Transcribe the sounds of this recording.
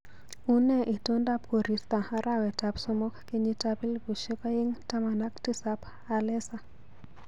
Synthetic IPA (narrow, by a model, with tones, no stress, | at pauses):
u˦nɛ˦ʔi˨to˦nda˦p̚ko˨ɾi˨st̪a˨aɾʔawɛ˨tapsɔmɔ˦kkeɲitapi˦lbu˨ʃe˦ka˦ji˦ŋta˦ma˨nakti˦sap | alɛ˦sa˨